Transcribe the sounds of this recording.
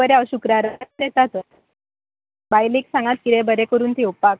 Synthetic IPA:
əɾeəɕukɾaɾd̪et̪at̪ə | bajliːksãŋɡat̪̚kid̪ebəɾekəɾuːnt̪ʰiwpak̚

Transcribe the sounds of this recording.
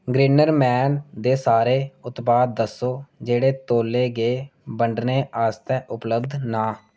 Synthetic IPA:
ɡɾiːnəɾmɛːnd̪eːsaːɾeːʊt̪baːd̪ːəsːoːd͡ʒeːɽeːt̪oːlːeːɡeːbəɳɖneːʔaːst̪ɛːʔʊpləbd̪naː

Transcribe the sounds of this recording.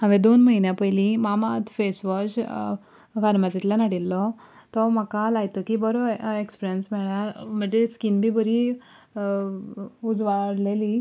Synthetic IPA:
ɦãʋẽd̪onməɦinjapəjlimamat̪fesʋɔɕ | faɾmat̪it̪lanaɽilːɔ | t̪ɔmakalajt̪ɔkibəɾɔekspiɾijənsmɛɭam̤əɳd͡zeskinbibəɾi | ud͡zʋaɽleli

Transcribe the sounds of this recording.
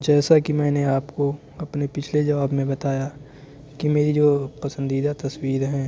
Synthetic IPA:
d͡ʒɛːsakimɛ̃ːneaːpko | ɐpnepɪt͡ʃʰled͡ʒɐʋaːbmẽbɐt̪aːja | kimeːɾid͡ʒoːpɐsə̃nd̪iːd̪at̪ɐswiːɾɦɛ̃ː

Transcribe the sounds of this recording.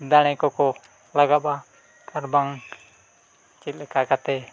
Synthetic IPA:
d̪añɛkɔkɔ | laɡaba | kʰaɾbaŋ | t͡ʃilɛkakat̪ɛ

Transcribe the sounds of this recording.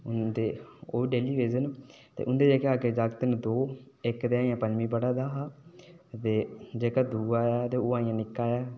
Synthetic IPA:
nd̪eːo̰ːiɖeːliːʋeːzənt̪ḛːʊnd̪eːd͡ʒeːkeaːɡeːd͡ʒaːɡt̪ənd̪oː | ɪkd̪eːaːijãːpəɲd͡ʒmĩːpəɽaːd̪aːɦaːt̪eːd͡ʒeːkaːd̪uːaːaːt̪eːoãːɪjãːnɪkːaːjaː

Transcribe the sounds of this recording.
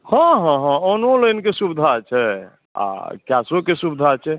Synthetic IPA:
hə̃ɦãɦãonoləjnkesubd̪ʱat͡ʃʰɛ | a̰kjasokesubd̪ʱat͡ʃʰɛ

